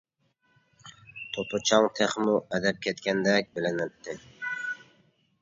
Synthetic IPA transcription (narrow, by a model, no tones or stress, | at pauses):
t̪ʰopʰʊt͡ʃʰɑŋt̪ʰeχmʊɛd̪æp̚kʲʰet̪kʲɛnd̪ɛk̚ʲbɪlɪnɪp̚t̪ʰɪ